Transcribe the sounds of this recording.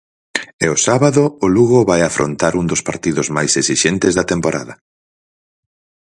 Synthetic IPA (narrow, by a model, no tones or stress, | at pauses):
ɛʊsaβaðʊːluɣoβajafɾʔo̰nt̪aɾund̪ʊspaɾt̪iðʊzmajsesiʃent̪ɪzðɐt̪empoɾʔa̰ðɐ